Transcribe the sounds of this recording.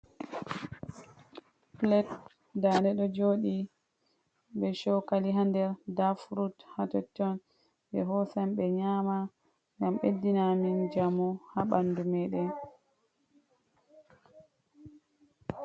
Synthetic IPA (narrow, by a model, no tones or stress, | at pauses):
plɛt | danɛɗɔd͡ʒoːɗi | ɓɛʃɔkaliɦandɛɾdafɾuthatɔtːɔn | ɓɛ̰ɦɔsamɓɛɲama | ŋɡamɓedːinamind͡ʒamɔhaɓandumɛɗɛ